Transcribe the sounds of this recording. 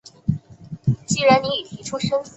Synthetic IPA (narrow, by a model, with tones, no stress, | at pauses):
t͡ɕi˥ɻa˧˥nni˧˥i˨˩t̪ʰi˧˥ʈ͡ʂʰu˥ʂɤ˥ŋ